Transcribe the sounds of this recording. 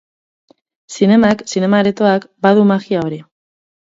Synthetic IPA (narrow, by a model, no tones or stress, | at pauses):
sine̞maksine̞maɾet̪o̞akbaðumaɣiao̞ɾi